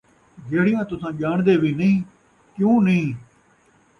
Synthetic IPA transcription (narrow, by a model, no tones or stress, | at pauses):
d͡ʒeːɽɪjãːt̪ʊsãːʄaːɳd̪eːʋiːnəɦĩː | kjũːnəɦĩː